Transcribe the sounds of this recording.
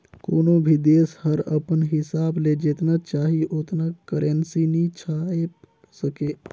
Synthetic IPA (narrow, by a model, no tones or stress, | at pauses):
konobʱid̪eshəɾəpənɦisabled͡ʒet̪nat͡ʃaɦiʔot̪nakəɾensinit͡ʃʰae | səke